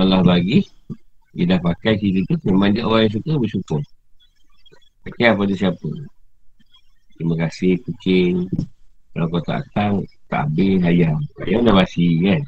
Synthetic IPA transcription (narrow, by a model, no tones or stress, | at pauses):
alahbaɡi | jədahpakajsit̪it̪umemãŋd͡ʒaʔowajs̬ukəbəsukʊr | pakajapad̪usiapə | t̪ɾimakasɪhkut͡ʃɪŋkalakawt̪a̰ʔa̰kaŋt̪a̰ʔabəɦajaŋa̰jaŋdamasikan